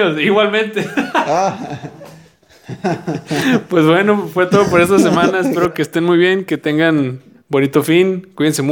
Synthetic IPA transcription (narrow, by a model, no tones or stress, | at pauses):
osiɣwalmẽ̞nt̪e | pwe̞zβwe̞no̞fwe̞t̪oðop̬oɾe̞st̪as̬e̞mãnaespe̞ɾo̞ke̞ːst̪e̞nmujβje̞ŋke̞t̪e̞ŋɡan | bo̞nit̪o̞finkwiðens̬e̞mu